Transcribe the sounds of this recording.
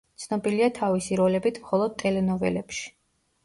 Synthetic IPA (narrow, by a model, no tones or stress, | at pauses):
t̪sʰnɔbiliat̪ʰavisiɾɔlɛbit̪ʰmχɔlˠɔd̪̚t̪ʼɛlɛnɔvɛ̰lɛpʃi̥